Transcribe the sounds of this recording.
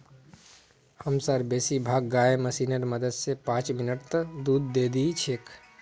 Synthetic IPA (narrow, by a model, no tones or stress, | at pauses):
həmsəɾbesibʱaɡːaeməsinəɾməd̪əd̪sepãt͡ʃminəʈt̪əd̪ud̪ːed̪it͡ʃʰek